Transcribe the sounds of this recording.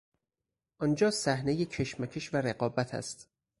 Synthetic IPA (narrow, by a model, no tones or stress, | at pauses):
ʔɒnd͡ʒɒːsæhnejecʰe̞ʃmæcʰeʃvæɾe̞ɢɒːbæt̪ʰæ̰st̪